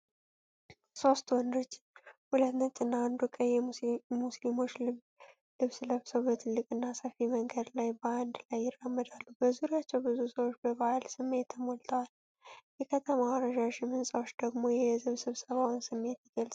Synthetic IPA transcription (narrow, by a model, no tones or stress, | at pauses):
so̞st̪wɔnd̪ɾɨt͡ʃː | hulət̪nət͡ʃ̪ʼɨnːaand̪ukʼəjjɛmuslimo̞t͡ʃː | lɨβsləβsəwbət̪ʰɨlːɨkʼɨnːasəfiməŋɡəd̪lajbəand̪lajːɪrːəmːəd̪alːubəzuɾijat͡ʃːɛwbɨzusəwo̞t͡ʃːbəβahalsɨmːe̞t̪ʰːəmolt̪ʰəwal | jɛkʰət̪ʰəmawɾəʒaʃɪmɨnsʼawo̞t͡ʃːd̪əɡmo̞jɛɛzɨβsɨβsəβawnsɨmːe̞t̪jɪɡəlsʼ